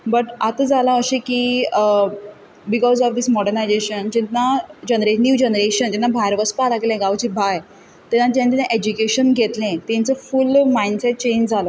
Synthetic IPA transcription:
bəʈat̪əd͡zalãəɕẽkiː | bikɔzɔfd̪ismɔɽəɾnajd͡zeɕənd͡ʑinːad͡ʑənəɾenjuːd͡ʑənəɾeɕənd͡ʑɛnːabʱaɾʋəspalaklɛ̃ɡaʋt͡ɕibʱaj | t̪ɛnːat̪jãninẽʔed͡ʑukeɕənɡʱet̪lẽt̪ɛ̃nt͡səfulmaiɳsɛʈ̚t͡ɕẽnd͡ʑd͡zʱalə

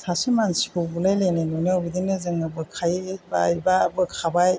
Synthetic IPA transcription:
sasimansi̥kʰobulajlenenoniawbidinɯzɯŋɯbɯkʰajba̰jbabɯkʰabaj

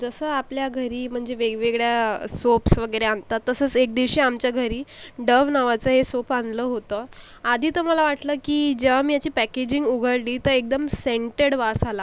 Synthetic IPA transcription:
d͡zəsəːapljaɡʱəɾiːm̤əɳd͡zeʋeɡʋeɡɭjasopsʋəɡəjɾeant̪at̪ːəsəːt͡sek̚d̪iʋɕiːamt͡ɕjaɡʱəɾiːɖəʋnaʋat͡səɦesopand̪ləːɦot̪əː | ad̪ʱiːt̪əməlaʋaʈləːkiːd͡ʑeʋ̤amiːjat͡ɕiːpæked͡ʑĩŋɡuɡʱəɽliːt̪əɾek̚d̪əmseɳʈeɽʋasala

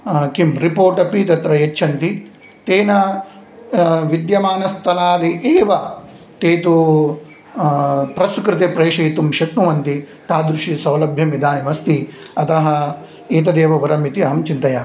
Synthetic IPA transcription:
kimɾipoːɾʈɐpit̪ɐt̪ɾɐjet͡ʃːʃʰɐnt̪i | t̪eːnɐ | ʋid̪jɐmaːnɐst̪ʰɐlaːd̪iʔeːʋɐ | t̪eːt̪u | pɾɐskɾɪt̪epɾeːʃɐjt̪umʃɐt̪nuʋɐnt̪i | t̪aːd̪ɾuʃisɐwlɐbʱjɐmid̪aːnimɐst̪iɐt̪ɐɦɐ̆ | eːt̪̬ɐd̪eːʋɐʋɐɾɐmit̪iɐɦɐmt͡ʃint̪ɐjaː

